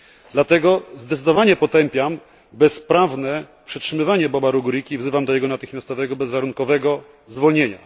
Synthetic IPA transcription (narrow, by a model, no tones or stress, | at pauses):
d̪lat̪ɛɡɔzd̪ɛt̪sɘd̪ɔvaɲɛpɔt̪ɛmpʲjam | bɛspɾavnɛ | pʂɛtʂɘmɘvaɲɛbɔbaɾuɡuɾikʲivzɘvamd̪ɔjɛɡɔnat̪ɘxmʲjast̪ɔvɛɡɔbɛzvaɾuŋkɔvɛɡɔ | zvɔlɲeɲa̰